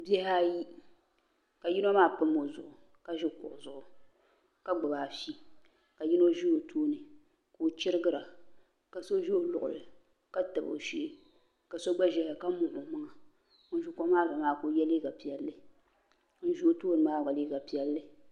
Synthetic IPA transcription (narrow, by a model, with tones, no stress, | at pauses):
bi˦ɛ˦ha˦ji˦ | ka˨ji˦no˦maː˦pɨ˦mːo˨zʊ˨ʔʊ˨ | ka˦ʒɪ˦kʊ̰˨ʔzʊ˨ʔʊ˨ | ka˦ɡ͡bɨ˨ba˨fi˦ | ka˨ji˦no˦ʒi˦o˨tʰoː˦nɨ˨ | koː˨t͡ʃɪ˦ɾɨ˦ɡɨ˦ɾa˨ | ka˨so˦ʒo˦lʊ˨ʔʊ̰˨lɨ˨ | ka˦tɨ˨bo̰˨ʃi˦ | ka˨so˦ɡ͡ba˦ʒɛ˦ha˨ka˦mʊ˨ʔʊ˨ma˦ŋa˨ | ʊ˦n˦ʒu˦ko˦maː˦˨za˨maː˦˨ko˨˦jɛ˦le˦ɡa˨pi˨ɛ˨lːɨ˦ | n̩˦ʒi˦o˦toː˦nɨ˨maː˦˨ɡ͡ba˨le˦ɡa˨pi˨ɛ˦lːɨ˦